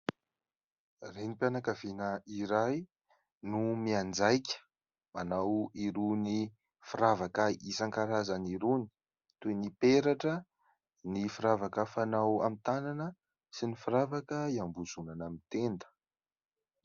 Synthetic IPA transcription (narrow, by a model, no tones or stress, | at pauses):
renipjanakavenəiɾaj | numiand͡zajkʲə̥ | manawiɾuni | fiɾavakaisaŋkaɾazaniɾuni̥ | t̪unipeɾaʈ͡ʂə | nifiɾavakəfanawa̰mit̪ananə | sinifiɾavakəiambuzunanamit̪end̪ə̥